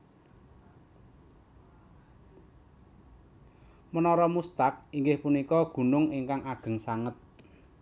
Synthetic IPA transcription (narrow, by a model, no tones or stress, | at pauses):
mənɔɾɔmust̪ak̚iŋɡɪhpunikɔɡ̥ṳnʊŋiŋkaŋaɡ̥ə̤ŋsaŋət̪̚